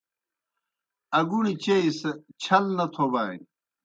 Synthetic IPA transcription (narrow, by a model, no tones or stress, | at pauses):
ɐɡuɽit͡ɕeisɐt͡ɕʰɐlnɐt̪ʰobaːj